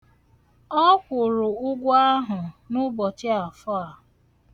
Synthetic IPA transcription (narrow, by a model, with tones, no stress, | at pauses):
ɔ˦kʷʊ˨ɾʊ˨ʊ˦ɡʷʊ˦a˦ɦʊ˨nʊ˦bɔ˨t͡ʃɪ˦a˨fɔ˦a˨